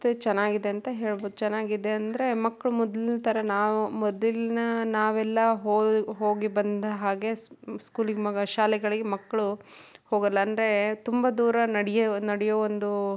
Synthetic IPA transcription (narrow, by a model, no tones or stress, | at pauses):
t̪et͡ʃɛnːaːɡid̪eɐnt̪ɐɦe̞ːɭboːd̪ut͡ʃɛnːaːɡid̪eɐnd̪ɐɾe̞mɐkːɐɭumɔd̪linɐt̪ɐɾɐnaːʋumɔd̪lilnɐnaːʋɛlːɐɦoːɦoːɡibɐnd̪ɐɦaːɡe̞sskuːliɡmɐɡɐʃaːlɛɡɐɭiɡemɐkːɐɭuhoːɡɐlːɐːnd̪ɾe̞t̪umbɐd̪uːɾɐnɐɽɛjɐnɐɽɛjɐond̪u